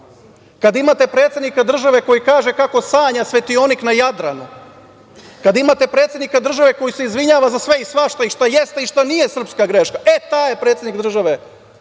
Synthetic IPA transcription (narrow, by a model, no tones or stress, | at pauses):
kad̪imat̪e̞pɾe̞ːt̪sʲje̞d̪nikad̪r̩ʒaʋe̞ko̞jikaːʒekako̞saːɲasʋe̞t̪io̞niknajad̪ɾanu | kad̪imaːt̪e̞pɾet̪sʲjed̪nikad̪r̩ʒaʋe̞ko̞jiseizʋiɲaːʋazasʋe̞isʋaʃt̪oiʃt̪aje̞st̪eiʃt̪anije̞sr̩pskaɡɾeʃkaʔet̪aːjepɾet̪sjed̪niɡd̪ɾr̩ʒaʋe